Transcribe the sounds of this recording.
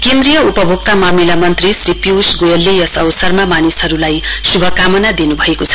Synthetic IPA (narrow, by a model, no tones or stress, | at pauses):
kend̪rijʌupʌbʱuk̚t̪amamilamʌnt̪risripjuwsɡojʌlːejʌsʌwsʌrmamanisɦʌɾulajsubʱʌkamʌnad̪inubʱʌekot͡sʰʌ̥